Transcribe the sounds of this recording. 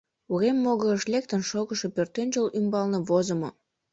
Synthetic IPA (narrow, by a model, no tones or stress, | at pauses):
uɣemːoɣəʃlek̚t̪ənʃoɣəʃo̽pørt̪enʒəlymbɑlneβozə̆mo̰